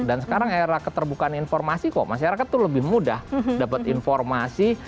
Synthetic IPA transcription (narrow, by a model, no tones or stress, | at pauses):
dansəkaɾaŋaɾakət̪ərbukaːninfɔrmasikɔ̰ʔmaʃaɾakat̪ːuləbɪhmudahdapat̪informasi